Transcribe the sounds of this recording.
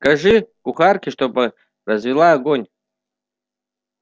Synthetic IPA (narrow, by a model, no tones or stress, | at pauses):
kaʐɨkuχarkʲʰiʂt̪opʼɐ | rɐzvʲilˠaːɡonʲ